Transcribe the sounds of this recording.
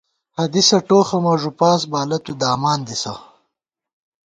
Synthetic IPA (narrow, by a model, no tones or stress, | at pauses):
hɐd̪isɐʈoːxɐmɐʐupaːs̬baːlɐt̪ud̪aːmaːnd̪isɐ̰